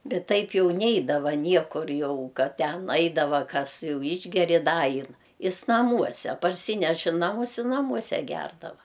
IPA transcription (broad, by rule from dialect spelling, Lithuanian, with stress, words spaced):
ˈbʲɛt ˈtɐɪp ˈjɛʊ ˈnʲɛɪdɐʋɐ ˈnʲiɛkʊr ˈjɛʊ ˈkɐt ˈtʲɛn ˈɐɪdɐʋɐ ˈkɐs ˈjɛʊ ˈɪʒʲɡʲɛrʲɪ ˈdɐ ˈɐɪn ˈɪs nɐˈmuɔsʲɛ pɐrʲˈsʲiːnʲɛʃ ɪ ˈnɑːmʊs ɪ nɐˈmuɔsʲɛ ˈɡʲɛrdɐʋɐ